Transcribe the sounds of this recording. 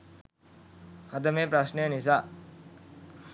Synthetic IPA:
ɐd̪ɐmepɾɐsnəjənis̬a

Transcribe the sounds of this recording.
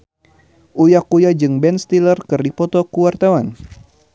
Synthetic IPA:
ʔujakujad͡ʒɨŋbɛnst̪ilərkɨrdipɔt̪ɔkuwart̪awan

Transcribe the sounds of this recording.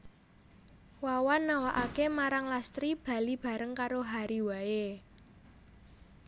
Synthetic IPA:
wawanːawaʔakemaɾaŋlast̪ɾib̥a̤lib̥ä̤ɾəŋkaɾoɦaɾiwaje

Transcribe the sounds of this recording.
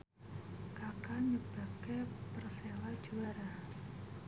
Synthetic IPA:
kakaɲəb̥a̤kepərselḁd͡ʒuaɾa

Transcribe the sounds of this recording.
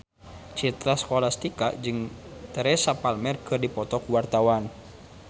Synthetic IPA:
t͡ʃit̪ɾaskɔlast̪ikad͡ʒɨŋt̪əɾɛsapalmɛrkɨrdipɔt̪ɔkuwart̪awan

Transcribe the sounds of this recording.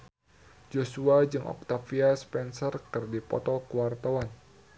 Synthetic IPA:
d͡ʒosuad͡ʒɨŋʔɔ̰k̚t̪afiaspɛnsərkɨrdipɔ̰t̪ɔkuwart̪awan

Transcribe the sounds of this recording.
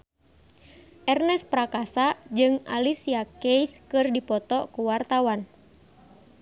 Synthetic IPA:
ʔɛrnɛspɾakasad͡ʒɨŋa̰lisiakejskɨrdipɔt̪ɔkuwart̪awan

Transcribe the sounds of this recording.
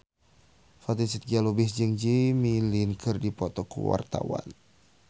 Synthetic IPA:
fat̪isit̪̚ɡialubɪsd͡ʒəŋd͡ʒimilinkʰɨrdipɔt̪ɔkṵwa̰rt̪a̰wa̰n

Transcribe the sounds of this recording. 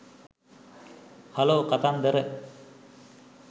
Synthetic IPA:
haloːkat̪and̪əɾə

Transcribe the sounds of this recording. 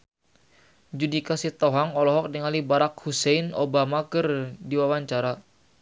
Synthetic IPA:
d͡ʒudikasit̪ɔɦaŋɔlɔɦɔk̚dəŋalibaɾak̚husɛinobamakɨrdiwawaɲt͡ʃaɾa

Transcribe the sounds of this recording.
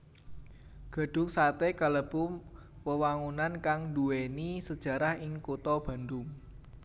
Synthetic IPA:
ɡ̥a̤ɖ̥ʊ̤ŋsat̪ekaləb̥ʊm | pəwaŋunankaŋnd̪uwenisəd̥ʒ̥ä̤ɾahɪŋkot̪ɔb̥a̤nd̪ʊm

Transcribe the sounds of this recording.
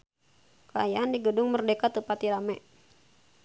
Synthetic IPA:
kəajaandiɡədʊŋmərdekat̪ːəpat̪iɾamɛʔ

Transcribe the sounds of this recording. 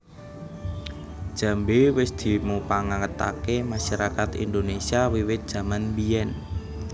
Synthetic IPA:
d̥ʒ̥a̤mbewɪsd̪̥i̤mupaŋakət̪a̰kemaʃaɾakat̪ḭnd̪onesiawiwɪt̪̚d̥ʒ̥ä̤manbijɛn

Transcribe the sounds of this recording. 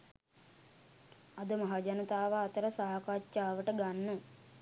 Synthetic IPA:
ɐd̪əmaɦaːd͡ʒanət̪aːʋaːt̪əɾəsaːakat͡ʃːaːʋəʈəɡanːə

